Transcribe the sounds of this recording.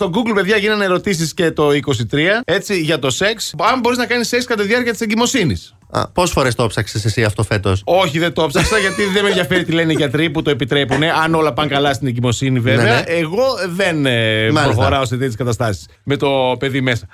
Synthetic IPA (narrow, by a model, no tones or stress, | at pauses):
t̪o̞ɡuɡlpe̞ðʝɐʝinɐnɐeɾo̞t̪is̬isce̞t̪o̞iko̞s̬it̪ɾiɐe̞t͡siʝɐt̪o̞se̞ksɐmbo̞ɾiznɐkɐnisːekskɐt̪oðiɐɾciɐt̪i̥seɲɟimo̞sinis | ɐ̰posfo̞ɾest̪opsɐksesesiɐft̪ofe̞t̪oso̞çiðet̪o̞psɐksɐʝɐt̪iðemeðjɐfe̞ɾit̪ile̞neʝɐt̪ɾiput̪o̞epit̪ɾe̞pune̞ʔɐno̞lɐpɐŋkɐlɐst̪ine̞ɲɟimo̞siniveveɐʔeɣo̞ðe̞nmɾoxoɾɐoset̪it̪skɐt̪ɐst̪ɐsi̥sme̞t̪o̞pe̞ðimesɐ